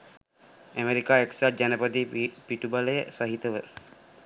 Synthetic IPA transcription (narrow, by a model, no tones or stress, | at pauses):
æmeɾikaːeksad͡ʒanəpəd̪ipiʈubaləjəsaɦit̪əʋə